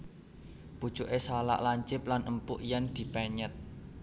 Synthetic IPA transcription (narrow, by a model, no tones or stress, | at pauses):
pud̥t͡ʃuʔesala̰ʔlaɲt͡ʃɪp̚lanʔəmpʊʔjand̪̥i̤pɛɲət̪̚